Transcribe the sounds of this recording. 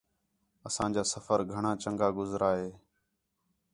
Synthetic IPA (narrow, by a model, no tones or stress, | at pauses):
əsãːd͡ʒaːsəfəɾɡʱəɳãːt͡ʃəŋɡaːɡʊzɾʔaːɦeː